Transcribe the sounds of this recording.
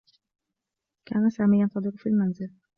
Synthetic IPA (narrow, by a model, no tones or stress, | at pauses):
kʲʰanasaɾmaɡʲant̪ʰɒd̪ɪɾɪfilʲmːanzɪl